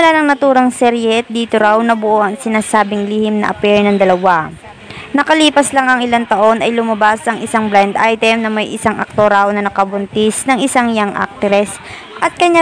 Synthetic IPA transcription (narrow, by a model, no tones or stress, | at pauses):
mɐlaːnɐŋnɐt̪uːɾɐŋsɛɾjɛd̪iːt̪oɾawnɐbʊʔo̞ʔɐŋsɪnaːsaːbɪŋliːhɪmnɐ̰ʔɐ̰pɛɹnɐŋd̪ɐlɐwa | nɐkɐliːpɐslaŋɐŋɪlant̪ɐʔo̞nɐjlʊmɐbasɐŋʔɪsaŋbland̪ʔajt̪ɛmnɐmɐjʔɪ̰saŋʔɐ̰k̚t̪oɾawnɐnɐkɐbʊnt̪ɪsnɐŋɪsaŋjaŋʔa̰k̚t̪ɛɾɛs | ʔɐt̪̚kɐɲːa